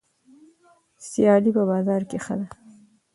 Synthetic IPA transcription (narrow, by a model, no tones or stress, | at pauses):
sjɑlipəbɑzɑɾkexəd̪a